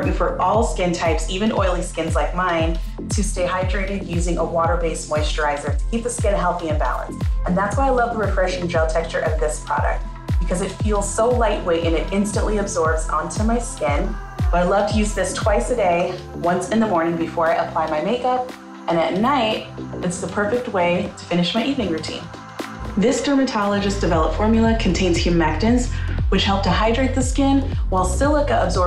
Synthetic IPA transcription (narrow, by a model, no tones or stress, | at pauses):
ʔɨfə˞ʔɔlˠskɪ̃ntʰaɪpsivɨ̃nʔɔ̰ɪlˠiskɪ̃nzlaɪk̚mãɪ̃n | tʰɨsteɪhaɪdɹeɪɾɨd̚jʉzɪ̃ŋəwɔɾə˞beɪsmɔɪstɹaɪzə˞ɾə̥kʰip̚ðɨskɪ̃nɦɛlˠθiɨ̃nbæ̰lˠə̰̃nstɨ̃nðætswaɪaɪlʌvðəɹɨfɹɛʃɪ̃ŋd͡ʒʌb̚tʰɛkt͡ʃə˞ʔʌvðɪspʰɹ̥ɑ̰ɾɨ̰k̚t̚ | b̥ɨkʰʌzɨtfilˠz̥soʊlaɪʔ̚weɪɾɨ̃nɨɾɪ̃nstɨ̃nʔlʔiɨbzɔɹbzə̰̃ntʰʉmaɪskɪ̃n | b̥ʌɾaɪlʌv̥tʰɨjʉzðɪstʰw̥aɪsɨdeɪ | wʌ̃nsɨ̃nðəmɔɹnɪ̃ŋbɨfɔɹɨɾʔəpʰl̥aɪmaɪmeɪkʌp̚ | ɨ̃nɨtⁿnaɪɾɨtsðəpʰɜ˞fɨk̚t̚weɪɾə̥fɪ̃nɨʃmaɪʔivnɪ̃ŋɹʉtʰḭ̃n | ðɪsd̥ʰɜ˞mɨtʰɑlˠɨd͡ʒɨsd̥ɨvɛlˠəpfɔɹmjl̩ˠəkʰn̩tʰẽɪ̃nz̥hjʉmæk̚tɨ̃nzwɨt͡ʃhɛlˠp̚tʰɨhaɪdɹeɪt̪̚ðɨskɪ̃nwaɪlˠsɪlˠəkəəbzɔ